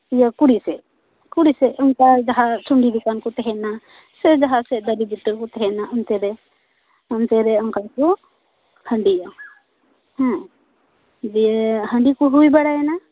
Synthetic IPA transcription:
ijakuɽisɛʔ | kuɽisɛʔɔŋkad͡ʒaɦat͡ʃʰuɳɖid̪ukankɔt̪ɛɦɛna | sɛd͡ʒaɦasɛʔd̪əɾibiʈəkɔt̪ɛɦɛnaʔɔnt̪ɛɾɛ | ɔnt̪ɛɾɛɔŋkajkɔ | hə̃ɳɖija | hɛ̃ | d͡ʒiɦəɳɖikɔɦujbaɽaɛna

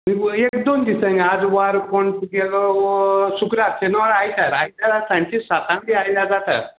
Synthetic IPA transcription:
miekd̪ond̪isənad͡zʋaɾkoɳsɡelɔsukɾat̪̚tenɔɽajt̪aɾajt̪aɾasãɳʈisat̪ãmb̪iajljad͡zat̪a̰ɾ

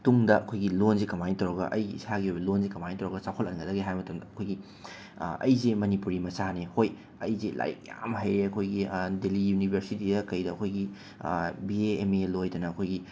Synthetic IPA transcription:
tumdɐʔɐkʰojɡilonzekɐmajnitɐwɾɐɡɐ̰ʔɐjɡiḭsaɡiɦojbɐlonzekɐmanitɐwɾɐɡɐsakʰolɐnɡɐdɐɡeɦajmɐtɐmdɐɐkʰojɡi | ɐ̰jzemɐnipuɾimɐsanehoj | ɐ̰jzela̰jḭk̚ja̰mɦɐjɾeɐkʰojɡidelijunibʱeɾsitidɐkɐjdɐːkʰojɡḭ | bieːmelojdɐnɐːkʰojɡi

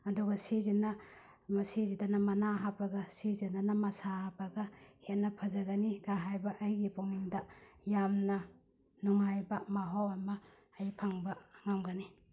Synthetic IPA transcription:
ɐduɡɐsizinɐ | mɐsizidanɐmɐnaɦapɐɡɐsizinanɐmɐsahapɐɡɐhetnːɐpʰɐzɐɡɐniɡaɦajbɐʔɐjɡipowniŋdɐjamnɐ | nuŋajbɐmaɦawɐmɐː | jpʰaŋbɐŋamɡani

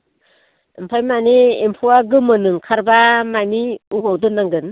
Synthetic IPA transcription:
ɯmpʰajmaniempʰuwaɡɯmɯnɯŋkʰaɾbamamiuɡawdɯnːaŋɡɯn

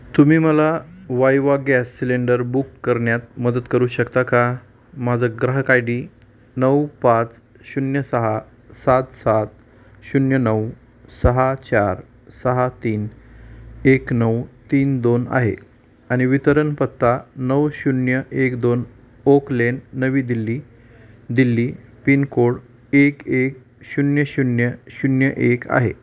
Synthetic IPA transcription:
t̪umiːməlaʋajʋaɡæsːileɳɖəɾbukːəɾɳjat̪̚məd̪ət̪kəɾuːɕəkt̪aka | mad͡zəɡɾaɦkajɽiː | nəwpat͡s | ɕunjəsəɦa | sat̪sat̪̚ | ɕunjənəw | səɦat͡ɕaɾ | səɦat̪iːn | eknəwt̪iːnd̪ona̰ɦḛ | aɽ̃iʋit̪əɾənpət̪ːanəwɕunjəʔekd̪on | oklenːəʋiːd̪ilːiː | d̪ilːiːpinkoɽ | ekek̚ | ɕunjəɕunjəɕunjəʔeka̰ɦḛ

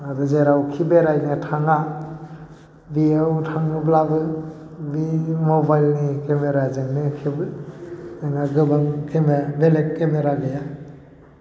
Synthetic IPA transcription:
adɯzeɾawkʰibeɾajnɯtʰaŋa | biawtʰaŋnɯblabɯ | bimobajlnikemeɾazɯŋnɯkʰibɯ | ɯŋaɡɯbaŋkemebelet̚kemeɾaɡɯja

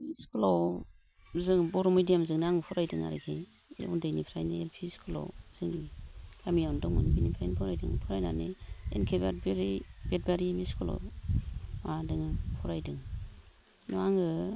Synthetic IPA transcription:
miskulaw | zɯŋbɔɾumidijamzɯŋnaŋɯpʰɔɾajdɯŋa̰ɾḛkʰe | ḛundajnipʰɾajnɯelpʰiskʰulo̰wz̥ɯŋnikʰamiandɔŋɯ̰nbinipʰɾajnpʰɔɾajdɯ̰ŋpʰɯɾajna̰neḛnkʰebabeɾibet̚baɾimiskʰɔlo̰w | adɯŋɯpʰɔɾajdɯŋ | nɔaŋɯ

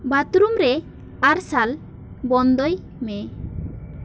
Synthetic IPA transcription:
bat̪ɾumɾɛ | aɾsal | bɔnd̪ɔj | mɛ

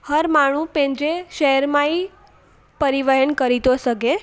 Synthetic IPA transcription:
həɾmaɽ̃ũpẽnd͡ʒ̪ɾeʃəɦəɾmai | pəɾiʋəɦəɳkəɾit̪osəɡe

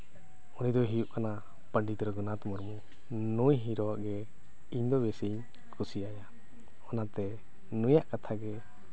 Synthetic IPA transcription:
unid̪ɔɦijuʔkana | pəɳɖit̪ɾɔɡɔnat̪mɔɾmu | nujɦiɾɔaʔɡɛ | iɲd̪ɔbɛseɲ | kʰusiaja | ɔnat̪ɛ | nujaʔkat̪ʰaɡɛ

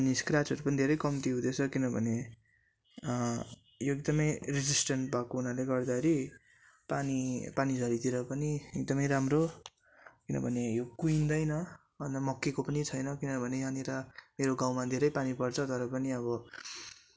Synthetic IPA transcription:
niskrat͡sʌɾupʌnid̪ʱeɾʌjkʌmt̪iɦũd̪et͡sʰʌkinʌbʱʌne | joek̚d̪ʌmʌjred͡zisʈʌɳʈbʱakounaleɡʌrd̪akʰeɾi | panipanid͡zʱʌɾit̪iɾʌpʌniek̚d̪ʌmʌjɾamro | kinʌ̰bʱʌnejokuind̪ʌjnʌ | bʱʌnamʌkːekopʌnit͡sʰʌjnʌkinʌbʱʌneɦaneɾʌmeɾoɡaw̃mad̪ʱeɾʌjpanipʌrt͡sʰʌt̪ʌɾʌpʌniʌβʌ

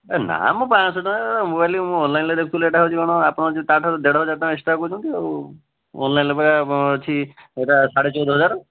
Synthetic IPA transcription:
ana̰mũpãsɔt̪ɔ̃mobajlimũɔnlajnled̪ekʰut̪uleʈaɦot͡ʃʰikɔɽ̃ɔapɔɽ̃ɔt͡ʃit̪aʈʰɔd̪eɽɔɦɔd͡ʒat̪ãesʈakud͡ʒʰũt̪ie | ɔ̰nlajnlepɔɾat͡ʃʰieʈasaɽet͡ʃɔd̪ʱɔɦɔd͡ʒaɾɔ

